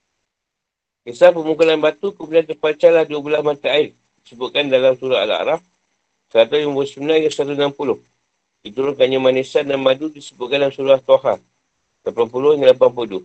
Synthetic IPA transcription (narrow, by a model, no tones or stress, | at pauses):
kisapəmuŋkulanbat̪ukəmudiant̪ərpat͡ʃalahduəbəlasmat̪aːɪr | disəbʊʔ̪̚kandalamsuɾaɦa̰la̰ɾaf | səɾat̪ajumbosumnaŋasat̪̬unampulʊh | dit̪uɾʊnkaɲamanisadanmadudisəbʊt̪̚kandaamsuɾaht̪oɦa | lapampulʊhəŋanlapampədu